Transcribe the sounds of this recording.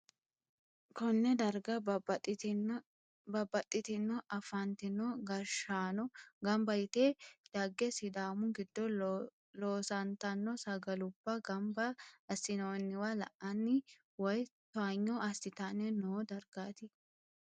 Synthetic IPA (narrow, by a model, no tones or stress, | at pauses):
kɔnːɛd̪ɐɾɡɐ | bɐbːɐt̪ʼːɪt̪ɪnːɔʔɐfɐnt̪ɪnːɔɡɐɾʃaːnɔɡɐmbɐjɪt̪eːd̪̥ɐɡːɛsɪd̪aːmʊɡɪd̪ːɔ | loːsɐnt̪ɐnːɔsɐɡɐlʊbːɐɡɐmbɐːsɪnoːnːɪwalɐ̰ʔɐnːɪ | wɐjt̪ɔaɲːɔɐsɪt̪ɐnɛnoːd̪ɐɾɡaːt̪ɪ